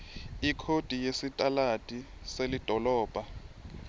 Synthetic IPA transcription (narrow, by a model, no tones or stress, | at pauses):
ikʰod̥ʱijesitʼalatʼiselid̥ʱɔlɔːb̥ʱa